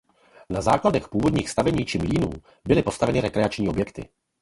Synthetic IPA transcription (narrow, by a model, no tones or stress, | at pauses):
nazaːkladɛxpuːvo̞dɲiːxst̪avɛɲiːt͡ʃɪmliːnṵː | bɪlɪpo̞st̪avɛnɪɾɛkɾɛat͡ʃɲiːo̞bjɛkt̪ɪ̰